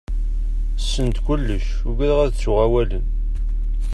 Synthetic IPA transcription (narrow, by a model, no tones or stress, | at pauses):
sːənt̪kʷʊlːəʃ | ʊɡæɾʁæðt͡sːʊʁæwælən